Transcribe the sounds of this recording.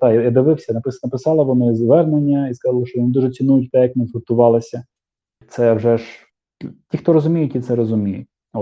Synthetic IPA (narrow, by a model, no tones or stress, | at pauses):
d̪ɑjjad̪ɪʋɪwsʲɐnɐpɪsnɐpɪsɑlˠɐʋɔnɪzʋɛrnenʲːɐiskɐzɑlˠɐʃt͡ʃɔʋɔnɪd̪uʒɛt͡sʲinujʊtʲt̪ɛjɐkmnɪfʊt̪ʊʋɑlˠɪsʲɐ | t̪sɛwʒɛʒ | tʲixt̪ɔɾɔzʊmʲijʊtʲit̪sɛɾɔzʊmʲijʊ̰ | ɔ